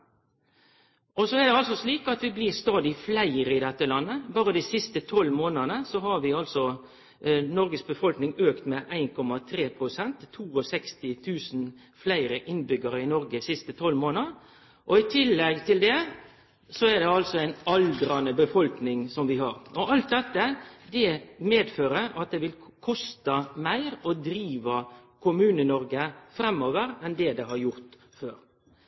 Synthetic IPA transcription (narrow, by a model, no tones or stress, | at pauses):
ʔɔsɔɛʁd̪ɛɑlsɔsɭiːkɑt̪ʋɪblɪʁst̪ɑːd̪ɪflæɪɾəɪd̪ɛt̪ːəlɑnːəbɑːɾəd̪iɪsɪst̪ət̪ʰɔlːmoːnənəsɔɦɑɾʋɪɑlsɔ | nɔɾɡəsbəfɔlknɪŋøːkt̪mɛʔæɪnkʰɔmɑt̪ʰɾeːpʰɾʊsɛnt̪ʰːuːɔsɛkst̪ɪt̪ʰʉːsn | flæɪɾəʔɪnbʏɡəɾəɪnɔɾɡəsɪst̪ət̪ʰɔlmoːnə | ʔɔɪt̪ʰɪlːɛɡt̪ʰɪld̪ɛ | sɔæd̪ɛɑlsɔæɪnɑld̪ɾɑnəbəfɔlknɪŋsɔmʋɪɦɑɾɔʔɑlt̪̚d̪ɛt̪ːəd̪ɛmeːd̪føːɾəɾɑt̪̚d̪ɛʋɪlkʰɔst̪ɑmæɪɾɔd̪ɾiːʋɑkʰʊmʉːnənɔɾɡəfɾɛmoːʋəɾɛnd̪ɛd̪ɛɦɑɾjʊɾt̪ | føːɾ